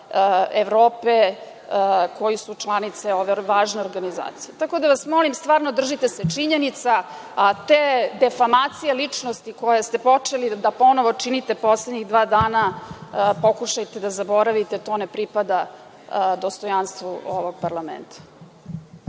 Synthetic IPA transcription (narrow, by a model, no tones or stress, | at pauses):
eʋɾo̞ːpe | ko̞jisut͡ʃlˠanit̪seoʋeʋaːʒneo̞ɾɡaniza̰ːt̪sijet̪ako̞d̪aʋasmo̞limst̪ʋaːɾnod̪r̩ʒit̪e̞set͡ʂiɲenit̪sa | at̪eːd̪efamaːt̪sijelit͡ʂnost̪ikojast̪epo̞t͡ʂelid̪apo̞noʋo̞t͡ʂinit̪e̞po̞sled̪ɲiɣd̪ʋaːd̪aːna | po̞kuʃajt̪ed̪azabo̞ɾaʋit̪et̪o̞ːnepɾipad̪a | d̪o̞st̪ojanst̪ʋuo̰ʋoɡ̚paɾlˠamḛnt̪ʰḁ